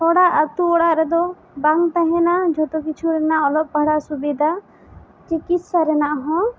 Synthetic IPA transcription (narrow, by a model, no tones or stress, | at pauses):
ɔɽaʔət̪uɔɽaʔɾɛd̪ɔ | baŋt̪aɦɛ̃nad͡ʒʱɔt̪ɔk̬it͡ʃʰuɾɛnaʔɔlɔʔ̚pəɽasubid̪ʱa | t͡ʃikissaɾɛnaʔɦɔ̃